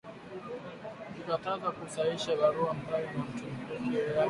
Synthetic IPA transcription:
nikatazakusaiʃaɓaɾuam̩balinam̩tum̩kuɛa

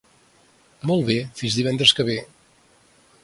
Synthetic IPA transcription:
mɔlˠβefinzðiβɛnd̪ɾəskəβ̞e

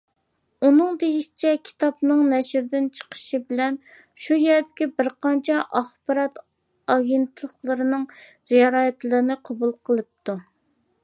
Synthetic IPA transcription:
unɨŋd̪ejiʃi̥t͡ʃʰɛkʲʰi̥t̪ʰɑpnɨŋnɛʃɾd̪ɪnt͡ʃʰə̥qʰə̥ʃibɪlɛn | ʃujɛɾd̪ɪkʲibɪɾqɑnt͡ʃʰɛʔɑχbɑɾɑt̪ | ɑɡʲent̪ɨlˠəχlˠɨɾɨnɨŋz̥ijɑɾɑːɛt̪lˠɨɾɨnɨqʰɑbulˠqʰəlˠɨp̚t̪u

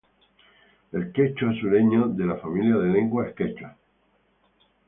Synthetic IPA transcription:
e̞lket͡ʃoe̞suneɲoðe̞lafamiljaðe̞lẽ̞ŋɡwaehke̞t͡ʃa

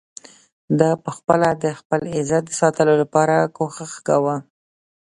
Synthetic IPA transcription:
d̪ɑpəxpəlad̪əxpəlɪzat̪̚d̪əsɑt̪əlolapɑɾakoxaxɡawa

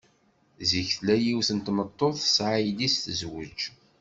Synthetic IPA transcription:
ziçθlæjiwθənt̪mət̪ˤːoθsʕijdisθəzwəd͡ʒ

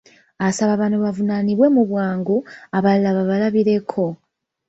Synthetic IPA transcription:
asaβaβanoβavunaniβwe̞muβwaːŋɡuaβalːaβaβalaβiɾe̞kʰo̞

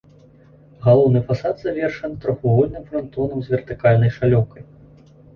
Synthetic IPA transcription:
ɣalˠɔwnɨfasad̪z̥avʲɛrʂɐnt̪ɾɔxuɣɔlʲnɨmfɾant̪ɔnɐmzʲvʲɛrt̪ɨkalʲnɐjʂalʲɔwkɐj

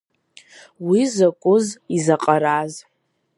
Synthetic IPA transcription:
wizakʷʼʊzizaqʼaɾaz

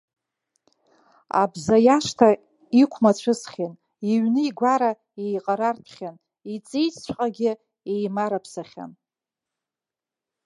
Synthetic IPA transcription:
a̰bzajaʂtʰa | ikʷʰmat͡ɕʷʰɨsχʲin | iɥnɨiɡʷaɾa | ejqʼaɾarpʰχʲan | it͡sʼijt͡st͡ɕʷʰʼqʼaɡʲɪ | ejmaɾapʰsaχʲa̰n

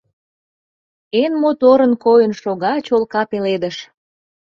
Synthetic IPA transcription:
enmot̪oɾə̆nkojənʃoɣɑt͡ɕolkɑpeled̪əʃ

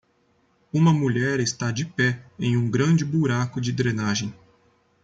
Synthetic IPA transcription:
ũmɐmuʎɛɾɪst̪ad͡ʒɪpɛẽj̃ũɡɾɐ̃d͡ʒɪbuɾakʊd͡ʒɪd̪ɾenaʒẽj̃

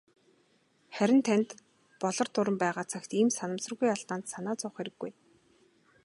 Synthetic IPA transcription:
χæɾʲɪ̆nt̪ʰænʲt̪ | pɔɮɞ̆rt̪ʊɾə̆mpæːʁaːt͡sʰaxʲt̪iːmsanə̆msə̆rɣujaɮt̪aːnt̪sanaːt͡sʊχeɾɘ̆ɡːuj

